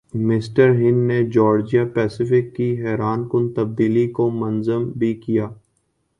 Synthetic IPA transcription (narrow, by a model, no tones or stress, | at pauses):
mɪsʈəɾɦɪ̃nned͡ʒɔːɾd͡ʒijapɛːsɪfɪkːiɦɛːɾaːnkʊnt̪ɐb̚d̪iːlikomɐnzəmbʱikijaː